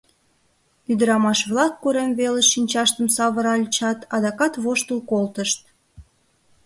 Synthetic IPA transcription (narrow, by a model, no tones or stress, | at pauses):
yd̪əɾɑmɑʃβlɑkːuɾemβeleʃinʲt͡ɕɑʃt̪əmsɑβəɾɑlʲt͡ɕɑt̪ɑd̪ɑkɑt̪βoʃt̪əlkolt̪əʃt̪̚